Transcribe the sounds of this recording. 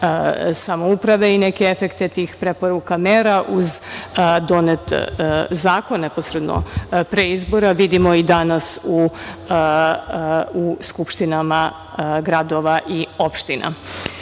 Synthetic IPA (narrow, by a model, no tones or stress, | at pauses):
samoupɾaʋeinekeefekt̪e̞t̪iːxpɾepo̞ɾukameːɾaʔuzd̪o̞net̪zaːkonnːeposɾed̪no̰pɾeizbo̞ɾaʋid̪imo̞id̪anasu | uskupʃt̪inama | ɡɾad̪o̞ʋaʔio̞pʃt̪inʔa̰